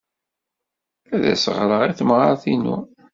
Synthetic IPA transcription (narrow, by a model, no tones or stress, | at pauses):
æðæ̰səʁɾəʁiθəmʁaɾθinṵ